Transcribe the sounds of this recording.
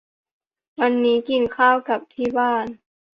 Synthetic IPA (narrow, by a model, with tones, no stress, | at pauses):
wa˧nːiː˦˥ki˨˧˩nkʰaː˥˩wka˨˩p̚t̪ʰiː˥˩baː˥˩n